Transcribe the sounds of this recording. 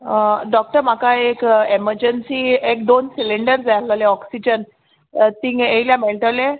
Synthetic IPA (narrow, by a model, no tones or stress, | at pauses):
ɖɔk̚ʈəɾm̤akaekeməɾd͡ʑənsiːekd̪onsiliɳɖəɾd͡zaləleɔksid͡ʑən | t̪iːŋejljameɭʈəle